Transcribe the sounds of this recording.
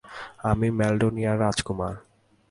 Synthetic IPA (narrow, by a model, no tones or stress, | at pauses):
amimɛlɖonijaɾad͡ʑkumaɾ